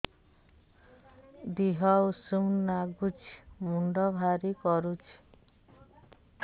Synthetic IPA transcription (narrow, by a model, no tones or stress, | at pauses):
d̪iɦɔusumnaɡut͡ʃʰmuɳɖɔbʱaɾikɔɾut͡ʃʰ